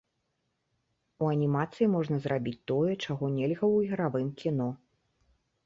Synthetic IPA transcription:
uɐnʲimat̪sɨjimɔʐnɐzrabʲit͡sʲt̪ɔjɛt͡ʂaɣɔnʲelʲɣɐwɣʲɾavɨmkʲinɔ

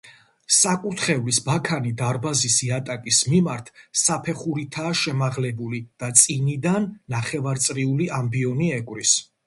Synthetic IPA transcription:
sakʼuɾt̪ʰχɛvlisbakʰanid̪aɾbazisiat̪ʼakʼismimaɾt̪ʰsapʰɛχuɾit̪ʰaːʃɛmaʁlɛbulid̪̥at̪sʼinid̪anːaχɛvaɾt̪sʼɾiuliambiɔniɛkʼwɾis

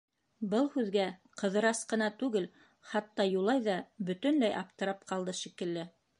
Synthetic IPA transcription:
bɤlˠhʉðɡæqɤ̆ðɤ̆ɾɑsqɤ̆nɑt̪ʉɡɘl | χɑt̪ːɑjulˠɑjðɑbɵ̆t̪ɵ̆nlæjʔɑp̚t̪ɤ̆ɾɑp̚qɑlˠd̪ɤʃikɘ̆lːɘ

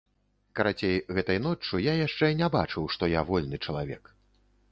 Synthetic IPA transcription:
kɐɾat͡sʲejɣɛt̪ɐjnɔt͡ʂːujajaʂt͡ʂɛnʲɛbat͡ʂɨwʂt̪ɔjavɔlʲnɨt͡ʂɐlˠavʲɛ̰k

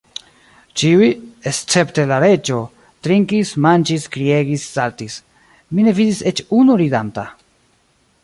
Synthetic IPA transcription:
t͡ʃiujest͡se̞pte̞laɾe̞d͡ʒo̞ | tɾiŋkismand͡ʒiskɾie̞ɡisːaltis | mine̞vidise̞t͡ʃunuɾidanta

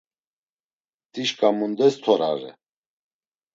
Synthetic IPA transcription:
t̪ʼiʃkʼamund̪ɛst̪ʰɔɾa̰ɾɛ̰

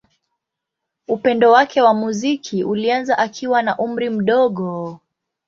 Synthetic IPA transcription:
upɛndɔwakʰɛwamuzikʰiʔulianzaʔakʰiwanaʔum̩ɾim̩ɗɔɠɔ

